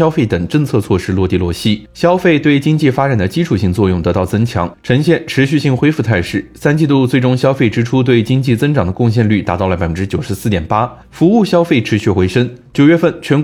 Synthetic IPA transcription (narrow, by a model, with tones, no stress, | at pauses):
ɑ˥ʊfe˥˩ɪt̪ə˨˩ŋʈ͡ʂə˥˧ŋt͡sʰɤ˥˧t͡sʰwɔ˥˧ʂɻ̩˥lwɔ˥˧t̪i˥˧lwɔ˥˩ɕi˥ɕjɑ˥ʊfe˥˧ɪt̪we˥˩ɪt͡ɕi˥ŋt͡ɕi˥˩fa˥ʈ͡ʂa˨˩nd̪ə˦t͡ɕi˥ʈ͡ʂʰu˨˩ɕi˥˧ŋt͡swɔ˥˧jʊ˥˩ŋt̪ɤ˧˥t̪ɑ˥˩ʊt͡sɤ˥ŋt͡ɕʰjɑ̰˧˥ŋʈ͡ʂʰɤ˧˥ŋɕjɛ˥˩nʈ͡ʂʰɻ̩˧˥ɕy˥˧ɕi˥˩ŋxwe˥ɪfu˥˧t͡s̪ʰa˥˧ɪʂɻ̩˥˩sa˥nt͡ɕi˥˧t̪u˥˧t͡swe˥˩ɪʈ͡ʂʊ˥ŋɕjɑ˥ʊfe˥˩ɪʈ͡ʂɻ̩˥ʈ͡ʂʰu˥t̪̬we˥˩ɪt͡ɕi˥ŋt͡ɕi˥˩t͡sɤ˥ŋʈ͡ʂɑ˨˩ŋd̪ə˦kʊ˥˧ŋɕ̬jɛ˥˧nly˥˩t̪a˧˥t̪ɑ˥˩ʊlə˩pa˨ɪə˥ʈ͡ʂɻ̩˥t͡ɕjo˨˩ʊʂɻ̩˧˥sɹ̩˥˩t̪jɛ˨˩npa˥ | fu˧˥u˥˩ɕjɑ˥ʊfe˥˩ɪʈ͡ʂʰɻ̩˧˥ɕy˥˩xwe˧˥ɪʂə˥ŋt͡ɕjo˨˩ʊɥɛ˥fə˥˩nt͡ɕʰɥɛ˧˥n